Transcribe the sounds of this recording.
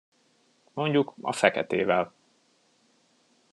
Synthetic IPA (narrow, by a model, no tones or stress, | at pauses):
mo̞ɲɟukɒ̰fɛkɛt̪eːvɛl